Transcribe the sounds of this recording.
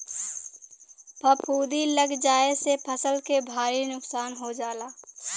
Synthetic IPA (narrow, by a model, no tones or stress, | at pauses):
pʰɐpʰuːd̪iləɡd͡ʒaːesepʰəsəlkebʱaːɾinʊksaːnɦod͡ʒaːlaː